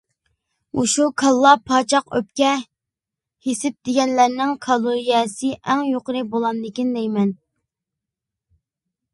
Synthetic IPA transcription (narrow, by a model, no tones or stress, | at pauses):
uʃukʰɑlˠːɑpʰɑːt͡ʃʰɑqø̰p̚kʲɛ | hesɪp̚d̪̥ɪɡʲɛnlæɾnɪŋkʰɑlˠoɾijɛsɪʔɛŋjoqəɾɨbolˠɑnd̪ɪkʲind̪ɛjmɛn